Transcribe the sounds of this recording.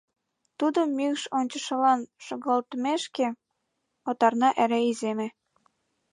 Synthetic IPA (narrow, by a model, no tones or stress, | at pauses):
t̪ud̪əmːykʃonʲt͡ɕə̆ʃɤ̆lɑnʃoɣɑlt̪meʃke | ot̪ɑrnɑʔæɾæizemĕ